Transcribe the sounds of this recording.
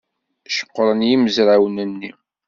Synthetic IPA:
ʃə̥qːɾˤənjiməzɾawnənːi

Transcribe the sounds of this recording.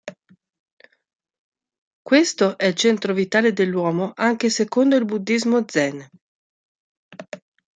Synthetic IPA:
kwest̪oʔɛilt͡ʃɛnt̪ɾovit̪aːled̪elːwɔːmoʔaŋk̟esekond̪oilbud̪ːizmod̪zɛn

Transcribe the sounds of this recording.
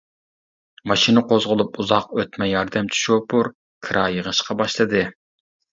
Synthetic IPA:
mɑʃinɨqozʁʊlˠupuzɑqøt̪mɛjɑɾd̪ɛmt͡ʃʰy̥ʃupʰuɾ | kʰɨɾʔɑjəʁəʃqɑbɑʃlˠɨd̪ɨ

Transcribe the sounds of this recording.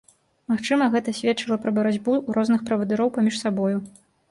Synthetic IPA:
maxt͡ʂɨmɐɣɛt̪ɐsʲvʲɛt̪t͡ʂɨlˠɐpɾɐbɐɾad͡zʲbuɾɔznɨxpɾɐvɐd̪ɨɾɔwpamʲiʂsabɔju

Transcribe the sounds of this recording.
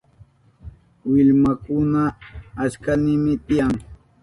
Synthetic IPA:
wɪʎmakʊnaːskanɪmɪt̪ɪjaŋ

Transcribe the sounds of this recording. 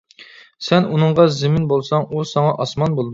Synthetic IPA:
sɛnunɨɴʁɑzɪmɪnbolˠsɑŋusɑŋɑʔɑsmɑnbolˠd̪

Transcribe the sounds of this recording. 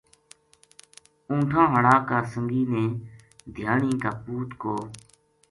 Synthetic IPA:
ũːʈʰãːɦəɽaːkaːsəŋɡiːnẽːd̪ʱjaːɳĩːkaːpuːt̪koː

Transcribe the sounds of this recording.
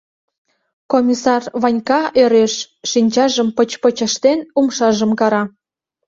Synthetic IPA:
komʲisɑrβɑnʲkɑeɾeʃː | inʲt͡ɕɑʒəmpət͡ɕpət͡ɕə̆ʃt̪enumʃɑʒəmkɑɾɑ

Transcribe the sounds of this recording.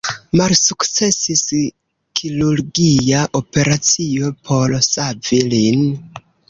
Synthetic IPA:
malsukt͡se̞sis | kʰiluɾɡijaʔope̞ɾat͡siopʰo̞ɾsavilin

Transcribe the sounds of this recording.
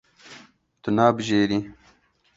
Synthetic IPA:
t̪unaːbʑeːɾi

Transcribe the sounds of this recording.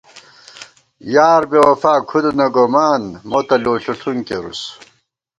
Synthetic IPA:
jaːɾbewɐfaːkʰud̪unɐɡomaːnmot̪ɐloːɬuɬʰuŋkḛɾṵs

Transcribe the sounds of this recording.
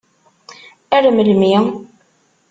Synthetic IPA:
æɾəməlmi

